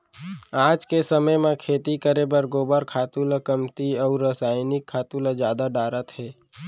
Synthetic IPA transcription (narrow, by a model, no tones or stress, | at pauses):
aːd͡ʒkesəməjmẽkʰeːt̪ikəɾeːbəɾɡoːbəɾkʰaːt̪uːləkəmt̪iɔːɾəsaːjnɪkʰːaːt̪uːləzjaːd̪aɖaːɾət̪hɛː